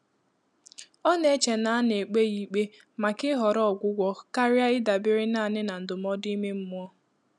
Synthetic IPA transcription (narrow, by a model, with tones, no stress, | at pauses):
ɔ˦ne˨˦t͡ʃe˨na˨a˦ne˨k͡pe˦ji˨k͡pe˦ | ma˨kɪ˦ɦɔ˨ɾɔ˦ɔ˨ɡʷʊ˦ɡʷɔ˦ka˦ɾja˦ɪ˦da˨bɪ˦ɾɪ˦na˦˨nɪ˦na˨n̩˨dʊ˨mɔ˦di˦me˦m̩˦mʊ˦ɔ˦